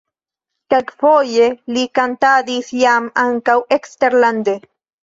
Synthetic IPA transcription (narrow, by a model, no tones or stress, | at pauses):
kakfojelikant̪ad̪isjamaŋkawekst̪eɾland̪e